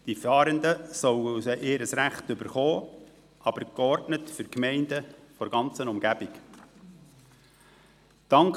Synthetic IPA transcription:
d̥ifɑːɾəndəsœwəusəʔeːɾəsɾæχtʏbəɾχoː | ʔɑb̥əɾkɔɾdnətfʏɾkmɛɪndəfɔɾɡɑnt͡sənumɡ̥æb̥ɪk | d̥ɑŋk

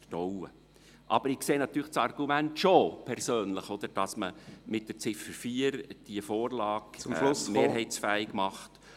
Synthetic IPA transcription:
əd̥ɔwə̰ | ʔɑ̰b̥əɾɪkseːnɑt̪ːyːɾlχt͡ssɑrɡ̥umæntʃopʰɛrsøːnləχɔd̥̪əɾd̥ɑsməmɪt̚d̥ət͡sɪfəɾfiːəɾd̥iəfoːrlɑːɡmlʊmeːɦɛɪt͡sfæːɪɡmɑχt

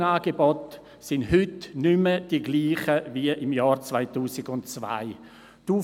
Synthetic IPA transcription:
naːɡebɔt | sɪndɦʏtnʏməd̥iɡliːχəviəʔɪmjɑːɾt͡svaɪtuːsɪɡʊntt͡sva̰ɪ | tuː

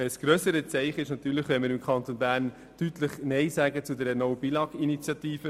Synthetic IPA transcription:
ɛsɡ̥ɾøsəɾət͡sɛɪχɪʃnɑt̪yːɾləχʋɛnmɪɾɪmkʰɑnt̪onbæːrn | d̥yt̪ləχnɛɪsæːɡət͡sud̪ɛɾənɔwbilɑɡinit͡sjɑt̪iːfə

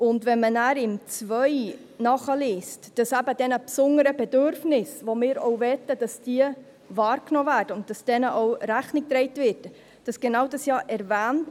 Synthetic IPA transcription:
ʊndʋɛnmənæːɾɪmt͡svœj | nɑχəliːstd̥ɑsæbəd̥ɛnəpsʊnəɾəbɛdøɾfnɪsvomɪːɾɔʊvɛtːəd̥ɑsd̥iːə | vɑːɾknoːvæːɾd̥əʊnt̚d̥ɑsd̥ɛnəʔɔwɾæχnɪk̚tɾɛɪtvɪt | d̥ɑsɡ̥enɑwdɑsjɑːʔɛɾvæːnt

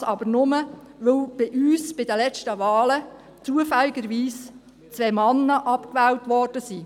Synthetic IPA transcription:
ɑbəɾnʊmə | ʋɵwb̥ɪʔyːsb̥ɪdəlɛt͡ʃtəʋɑːlə | t͡suəfɛlːiɡəɾʋiːs | t͡sʋɛmɑnːəʔɑpkʋɛːwtʋɔːrd̥əsiː

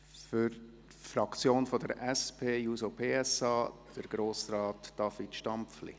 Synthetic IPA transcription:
fʏɾt | fɾɑkt͡sjoːnfodəɾʔɛspʰeːjuːsopʰeːɛsɑːd̥əɾɡ̥ɾoːsɾɑːtd̥ɑfitʃtɑmpflḭ

